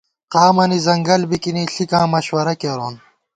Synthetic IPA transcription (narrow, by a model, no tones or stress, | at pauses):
qaːmɐnizɐŋɡɐlbikiniɬikãːmɐɕwɐɾɐkeɾoːn